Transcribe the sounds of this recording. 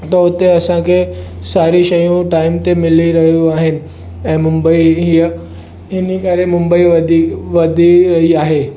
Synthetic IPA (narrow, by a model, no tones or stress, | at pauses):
t̪ɔt̪eəsãkesaɾiːɕəjũʈaimt̪emiliɾəɦjũaɦen | ɛ̃mumbəiɦijə | ɦinikaɾemumbəiʋəd̪ʱiʋəd̪ʱiɾəɦiːaɦe